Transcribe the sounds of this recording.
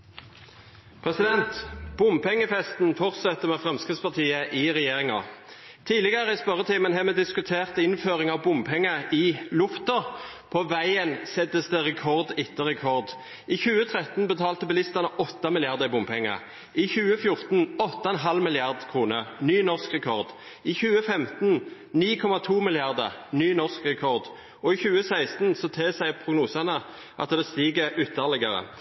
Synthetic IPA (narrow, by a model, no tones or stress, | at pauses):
pʰʁɛsɪd̪ɛnt̪b̥ʊmpɛŋːəfɛst̪n̩fɔʁt̪sɛt̪ːəʁmɛːfʁɑmskɪspɑt̪ʰiːəʔɪʁɛjeːʁɪŋɑ̰ | t̪ʰiːlɪɡəʁəɪspœʁːət̪ʰiːmənɦɛːmɛːd̪ɪskʉt̪ʰeːʁt̪ɪnføːʁɪŋɑʋbʊmpʰɛŋːəʔɪlʊft̪ɔpʰɔʋæɪənsɛt̪əsd̪əʁɛkʰɔʁd̪ɪt̪ːəʁɛkʰɔʁd̪ | ɪçʉːət̪ʰʁɛt̪n̩bət̪ʰɑːlt̪əbɛlɪst̪ɑnəʔɔt̪ːɑmɪlɪɑʁd̪əɪbʊmpʰɛŋːɑ̰ | ʔɪçʉːəfjʊʁt̪n̩ɔt̪ːɑɛnɦɑlmɪlɪɑʁd̪kʰʁuːnəʁnyːnɔʁskʁɛkʰɔʁd̪ | ɪçʉːəfɛmt̪n̩ | niːkʰɔmɑt̪ʰuːmɪlɪɑʁd̪ə̰ʁnyːnɔʁskʁɛkʰɔʁd̪ | ɔɪçʉːəsæɪst̪n̩sɔt̪ʰeːsæɪpʰʁʊɡnuːsɑnə | ʔɑ̰t̪d̪ɛst̪iːɡəʏt̪ːəʁlɪɡəʁə̰